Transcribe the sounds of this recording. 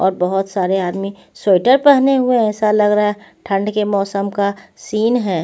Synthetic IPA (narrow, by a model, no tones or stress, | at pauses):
ɔ̰ːɾbɐɦʊt̪saːɾeaːd̪mi | soːɪʈəɾpɛɦneɦʊeɛːsalɐɡɾaaʈʰɐ̃ɳɖkemɔːsəmkasiːnɦɛː